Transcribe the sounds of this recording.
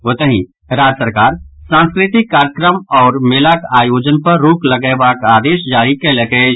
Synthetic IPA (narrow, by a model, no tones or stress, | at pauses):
ot̪əɦĩ | ɾaːd͡ʒəsəɾkaːɾsãːnskɾɪt̪ɪkːaːɾjəkɾəmɔːɾmeːlakaːjoːd͡ʒənpɐɾːoːklɐɡebaːkaːd̪eːʃd͡ʒaːɾikelɐɡe